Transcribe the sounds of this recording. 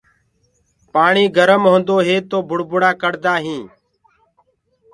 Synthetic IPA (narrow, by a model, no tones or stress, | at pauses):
paːɳiːɡʱəɾəmɦõːnd̪oːɦeːt̪oːbʱʊɽbʊɽaːkəɽd̪aːɦĩː